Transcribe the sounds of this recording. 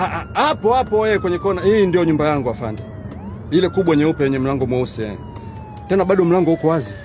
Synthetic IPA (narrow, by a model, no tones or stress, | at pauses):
aʔaapɔapɔjɛkwɛɲɛkɔnaiːndijɔɲumbajaŋɡuafanda | ilɛkuɓwaɲɛupɛwɛɲɛm̩laŋɡɔmwausiɛ | tɛnabaɗɔm̩laŋɡɔhukɔwazi